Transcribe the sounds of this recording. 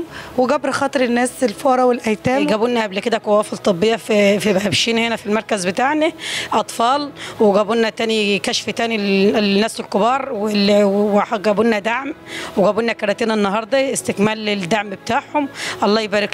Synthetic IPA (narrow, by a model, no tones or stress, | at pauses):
weɡæbɾxɑːt̪ˤɨɾenːæːselfoːɾˤɑwelʔæjt̪æːɡæbunːæʔæblked̪ækowæːfelt̪ˤɨbːejːɑffibhæbʃiːnhenæfilmɑɾˤkæzbet̪aːʕnæʔɑt̪ˤfɑːlweɡæbunːæt̪æːnikæʃft̪æːninːæːselkobɑːɾˤwewħɡæbunːæd̪aʕmweɡæbunːækɑɾˤɑt̪eːnenːɑɦɑɾˤd̪ˤɑest̪ekmæːleld̪aʕmbet̪aːʕhomʔɑlˤːɑːjebæːɾek